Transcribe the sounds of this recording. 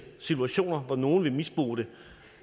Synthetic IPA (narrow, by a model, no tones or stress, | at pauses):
sit͡sʰuæɕo̝̰ːnɐʋɒno̝ːn̩ʋe̝misb̥ʁo̝̰ːɾ̥e̝